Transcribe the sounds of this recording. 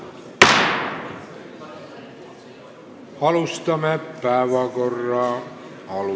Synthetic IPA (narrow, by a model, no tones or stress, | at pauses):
ɑlust̪ɑmepæːʋækorːɑː | ɑlu